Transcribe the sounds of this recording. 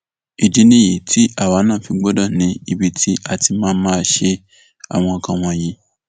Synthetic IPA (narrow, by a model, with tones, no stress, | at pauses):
i˨di˨˦nĩ˦ji˨tʰi˦a˦˨wa˨˦nãː˦˨fi˧ɡ͡bɔ˦dɔ˦˨nĩ˨˦i˧bi˦tʰi˦a˧ti˧mãː˦mãː˦˧˦ʃe˧ | a̰˨w̃ɔ̃˧˨kã˧˨w̃ɔ̃˧˨ji˨˦